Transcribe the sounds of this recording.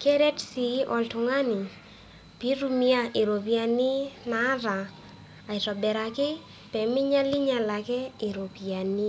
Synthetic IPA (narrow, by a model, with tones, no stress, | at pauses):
kɛ˦ɾɛ˦tsi˨˦ʔɔ̰˨ltʊ˨ŋa˦nɪ˨ | pi˦ɾu˦mi˦a˦ʔe˨ɾo˨pi˨a˨nɪ˦na˨˦ɾaː˨ | i˨ɾɔ˨bɛ˨ɾa˨kɪ˦ | pɛ˨mɪ˦ɲa˦lɪ˦ɲa˨la˨kɛ˦e˨ɾo˨pi˨a˨ni˦